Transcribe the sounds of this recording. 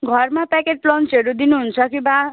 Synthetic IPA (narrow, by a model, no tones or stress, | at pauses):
ɡʱʌrmapɛkeʈ̚plʌnseɾud̪inuɦunt͡sʰʌkiba